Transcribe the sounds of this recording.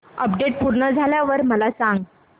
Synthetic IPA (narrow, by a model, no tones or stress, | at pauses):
əpɖeʈ̚puɾɳəd͡zʱaljaʋəɾməlasãŋɡ